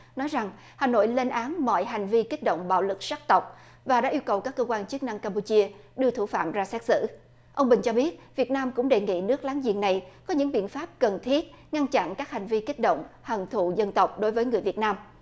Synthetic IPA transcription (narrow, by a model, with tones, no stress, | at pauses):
nɔ˨˦jza˨˩ŋ | haː˨˩no̰˧˨jle˧nʔaː˨˦nmɔ̰˧˨jɦa˨˩ŋ̟vi˧ki˦˥k̚ɗo̰˧˨wŋ͡mɓa̰ː˧˨wlɨ˨˩k̚sa˦˥k̚t̪ə˨˩wk͡p̚ | vaː˨˩ɗa̰ː˧˥ʔi˧əwkə˨˩wkaː˦˥kːəː˧kwaː˧nt͡ɕɨ˦˥k̚na˧ŋkaː˧mp̬u˧t͡ɕi˧əɗɨ˧ət̪ʰu˧˩fa̰ː˧˨mzaː˧sɛ˦˥t̚sɨ̰˧˥ | ʔə˧wŋ͡mɓï˨˩ŋ̟t͡ɕɔ˧ɓi˦˥ət̚vi˨˩ət̚naː˧mkʊ̰˧˥ŋ͡mɗe˨˩ŋḭ˧˨nɨ˦˥ək̚laː˨˦ŋzḭ˧˨ənːa˨˩jkɔ˨˦ɲɨ̰˧˥ŋɓḭ˧˨ənfaː˦˥p̚kə˨˩nt̪ʰi˦˥ət̚ | ŋa˧nt͡ɕa̰˧˨nkaː˦˥k̚ha˨˩jŋ̟vi˧ki˦˥k̚ɗo̰˧˨wŋ͡mhə˨˩nt̪ʰṵ˧˨zə˧nt̪ə˨˩wk͡p̚ɗo˨˦jvəː˨˦jŋɨ˨˩əjvi˨˩ət̚naː˧m